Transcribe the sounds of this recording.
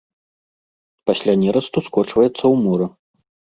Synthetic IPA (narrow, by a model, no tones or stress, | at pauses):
pasʲlʲanʲɛɾɐst̪uskɔt͡ʂvɐjɛt̪sːɐwmɔɾɐ